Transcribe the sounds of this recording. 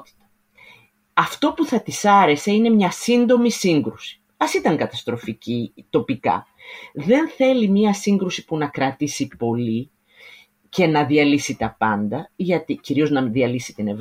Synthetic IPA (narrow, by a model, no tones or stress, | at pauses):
ɐft̪o̞puθɐt̪isɐɾe̞se̞ine̞mɲɐsind̪o̞misiŋɡɾusi̥ | ɐsit̪ɐŋkɐt̪ɐst̪ɾo̞ficit̪o̞pikɐ̰ | ðe̞nθe̞limɲɐsiŋɡɾusi̥punɐkɾɐt̪isipo̞li | ce̞nɐðiɐlisit̪ɐpɐnd̪ɐʝɐt̪iciɾio̞znɐðiɐlisi̥t̪ine̞v